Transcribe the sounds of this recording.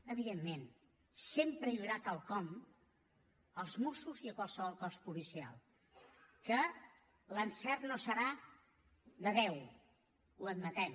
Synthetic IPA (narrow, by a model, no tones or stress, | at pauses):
əβ̞iðemːen | sempɾəʎuɾat̪əlˠkɔm | əlˠzmusuziəkwalˠsəβɔlˠkɔspulisia̰lˠ | kə | lənsɛrnosəɾa | ðəβɛw | uəd̪mət̪ɛm